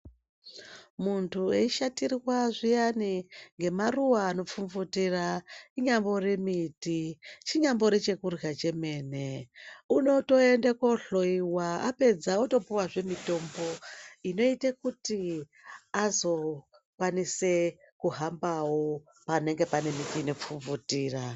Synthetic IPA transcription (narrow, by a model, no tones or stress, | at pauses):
muntʰueiʃatirwaʐijaniŋɡe̞maruwaːno̞p͡fuɱvutiraiɲambo̞re̞mitit͡ʃiɲambo̞ɾet͡ʃe̞kurjat͡ʃe̞me̞ːneuno̞to̞e̞ndekwoɬo̞iwaape̞d͡zauto̞puwaʐe̞mito̞mbo̞ino̞itekuti | azo̞ | kwanise̞ | kuɦambawo | pane̞ŋɡe̞pane̞mitiːno̞p͡fuɱvutiːra